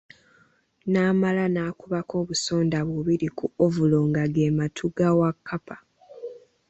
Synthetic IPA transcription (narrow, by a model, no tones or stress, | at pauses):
naːmalanaːkuβakʰo̞ːβuso̞ːndaβuβiɾikuovuloːŋɡaɡeːmatʰuɡawakʰːapḁ